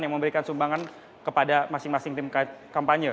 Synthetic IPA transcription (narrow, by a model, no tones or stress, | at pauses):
njaŋməmbəɾikansumbaŋan | kəpadamasɪŋmasɪŋt̪ɪmkkampaɲə